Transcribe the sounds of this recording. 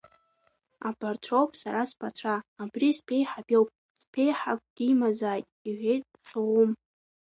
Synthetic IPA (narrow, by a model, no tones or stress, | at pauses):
a̰bʰʼartʰrowpʼsaɾaspʰatʷʰaːbrispʰe̞jħabʲo̞wpʼ | spʰe̞jħak̚ʷʼd̥imazaːjtʼiʕʷe̞jt̚ʼfowum